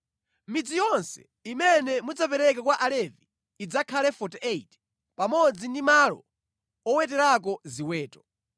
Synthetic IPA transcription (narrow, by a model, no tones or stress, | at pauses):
mid͡zijɔnsɛ̥̰ | imɛnɛmud͡zapɛɾɛkakwaʔalɛviː | d͡zakʰalɛfɔtɛeit | pamɔd͡zindimalɔ̰ | ɔwɛtɛɾak̬ɔziwɛːtɔ̥